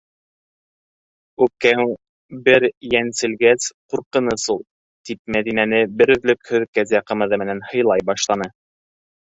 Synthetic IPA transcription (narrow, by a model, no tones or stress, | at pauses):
ʉkːæw | bɘɾjænsɘ̆lɡæsquɾqɤ̆nɤsulˠ | t̪ip̚mæðinænɘbɘ̆ɾɵ̆ðlɵkhɵ̆ðkæzæqɤ̆mɤ̆ðɤmɘ̆nænhɤ̆jlˠɑjbɑʃlˠɑnɤ